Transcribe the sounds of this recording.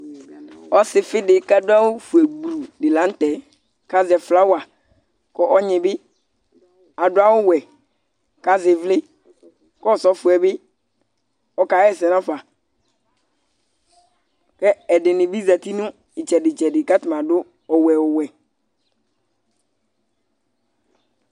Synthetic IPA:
ɔ˦sɪ˨fɪ˦dɪ˨ka˦dʊ˦a˦wʊ˦fu˨ɛ˨ɡ͡bu˨ɾu˨dɪ˨lã˨˦n˦tɛ˨ | ka˦zɛ˨fla˦wa˨ | kɔ˦ʔɔ˦ɲɪ̃˨bɪ˦ | a˨dʊ˦a˦wʊ˦wɛ˨ | ka˦zɪ˨vlɪ˦ | kɔ˦˨sɔ˦fu˨ɛ˨bɪ˦ | ɔ˨ka˨˦ɛ˦˨sɛ˨nã˦fa˨ | kɛ˦ɛ˨dɪ˨nɪ̃˨bi˦za˨t̪i˦nʊ̃˦ | ɪ˨t͡ʃɛ˨dɪ˨t͡ʃɛ˨dɪ˨ka˦tʊ˨mã˨dʊ˦ | ɔ˨wɛ˨wʊ˨wɛ˨

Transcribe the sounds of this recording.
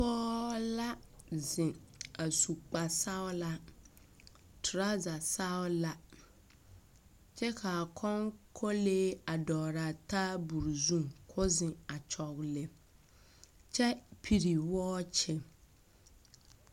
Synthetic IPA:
pɔː˦la˦zɪ̃˨a˨su˨k͡pa˨sa˦wla˦ | tʰɾa˦za˨sa˦wla˦ | t͡ɕʰɛ˦kʰa˨kʰɔ̃˦ŋkʰɔ˦leː˦a˨dɔː˨ɾa˨tʰa˦bu˨ɾzũ˦mkʰɔ˦zɪ̃˨a˨t͡ʃʰɔ˨klɛ˨ | t͡ɕʰɛ˦pʰi˨ɾi˨wɔ˦t͡ɕʰɛ˨

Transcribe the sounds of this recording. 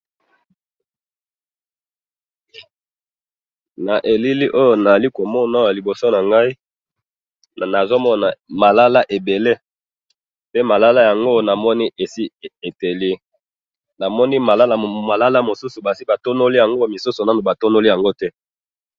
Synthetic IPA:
na˨ʔe˨li˦li˦ʔo˦jo˨na˨a˨li˦ko˨mɔ˦na˨˦˨a˨li˨bo˨so˦na˨ŋɡa˦i˦˨ | na˨zo˦mɔ˦na˨ma˨la˦la˦ʔe˨be˨le˦ | pe˦ma˨la˦la˦ja˨ŋɡo˦˨na˨mɔ˦ni˦ʔe˨si˦e˨te˨li˦ | na˨mɔ˦ni˦ma˨la˦la˨ma˨la˦la˦mo˨su˦su˨ba˨si˦ba˨to˦no˦li˦ja˨ŋɡo˦˨mi˨su˦so˨na˦no˨ba˨to˦no˦li˦ja˨ŋɡo˦tɛ˦

